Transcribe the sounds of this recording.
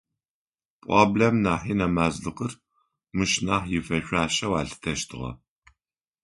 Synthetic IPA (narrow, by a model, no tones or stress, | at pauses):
pʼɑ̰ːblemnaːħiːnɐmaːzɮɨqər | mɨʃnaːħjɪfɐɕʷaːʃɐwaːɮɨ̥tʰɐʃtʰɨʁɐ̰